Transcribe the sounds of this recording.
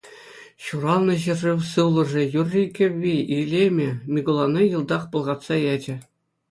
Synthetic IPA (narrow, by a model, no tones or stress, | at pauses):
ɕuɾɑlˠnɤ̆ɕ̬ɘ̆rrɯwsɯwlˠɤ̆ʐĕjurʲːikʲɘ̆ʋʲːiilʲemʲɘ̆mʲiɡolˠɑnɤjɯlˠd̪ɑχpɤ̆lˠʁɑt̪sɑjɑd͡ʑɘ̆